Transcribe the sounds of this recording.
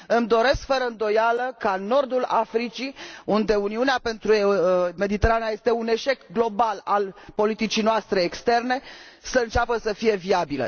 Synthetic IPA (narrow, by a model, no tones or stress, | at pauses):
ɨmd̪o̞ɾe̞skfəɾəɨnd̪o̞jaləkano̞rd̪ula̰fɾit͡ʃiund̪e̞uniuneape̞nt̪ɾume̞d̪it̪e̞ɾanaje̞st̪e̞une̞ʃe̞kɡlo̞balalpo̞lit̪it͡ʃijnoast̪ɾe̞ːkst̪e̞rne̞ | səɨnt͡ʃapəsəfije̞viabilə̰